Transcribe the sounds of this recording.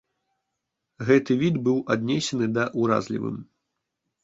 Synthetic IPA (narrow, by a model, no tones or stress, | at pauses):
ɣɛt̪ɨvʲid̪bɨwʔad̪nʲɛsʲɛnɨd̪ɐʔuɾa̰zlʲḭvɨ̰m